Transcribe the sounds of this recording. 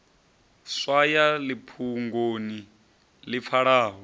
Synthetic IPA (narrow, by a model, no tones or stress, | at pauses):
swajalipʰuŋɡoni | lip̪fʰaɺaːɦɔ